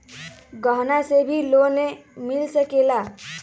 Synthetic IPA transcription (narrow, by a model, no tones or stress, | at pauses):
ɡəɦnasebʱilonemilsəkela